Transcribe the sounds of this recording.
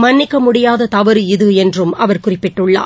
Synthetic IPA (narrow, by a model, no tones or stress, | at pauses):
mɐnːɪkːɐmʊɽɪjaːðɐt̪ɐʋɐɾɯɪðɯɛndrɯmɐʋɐɾkʊrɪpːɪʈːɯɭːa̰ː